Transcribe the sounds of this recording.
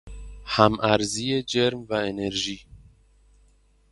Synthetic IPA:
hæmʔæɾzijed͡ʒeɾmvæeneɾʒiː

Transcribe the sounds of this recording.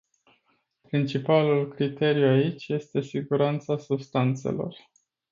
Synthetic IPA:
pɾint͡ʃipalulkɾit̪e̞ɾjuait͡ʃʲje̞st̪e̞siɡuɾant̪sasubst̪ant̪se̞̰lo̞̰r

